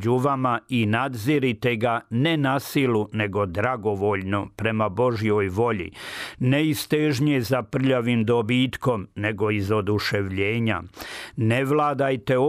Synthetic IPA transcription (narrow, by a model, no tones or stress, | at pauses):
d͡ʑuʋamainad̪ziɾit̪e̞ɡane̞nasilune̞ɡo̞d̪ɾaɡo̞ʋo̞ːʎnopɾe̞mabo̞ʒijoːjʋo̞ʎḭneist̪eʒɲezapr̩ʎaʋiːmd̪obiːt̪ko̞mne̞ɡo̞izo̞d̪uʃe̞ʋʎe̞ːɲa̰ne̞ʋlaːd̪ajt̪e̞o